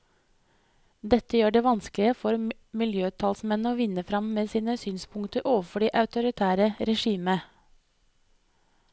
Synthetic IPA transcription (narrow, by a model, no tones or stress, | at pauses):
d̪ɛt̪əjøːɖeːʋɑnsklɪəfɔɾ | mɪljøːt̪ʰɑːlsmɛnəoːʋɪnəfɾɑmmeːsiːnəsyːnspʰʊŋt̪əɾʔoːʋəfɔɖiːʔɑʉt̪ʊɾɪt̪ʰæːɾəɾɛʃiːmə